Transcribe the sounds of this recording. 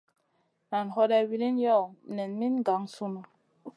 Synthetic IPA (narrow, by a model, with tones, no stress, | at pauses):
na˨nɦɔ˦dɛ˦˨wi˨li˦njɔ˦˨nɛ˨nmi˦nɡa˨˦ŋsu˦na˨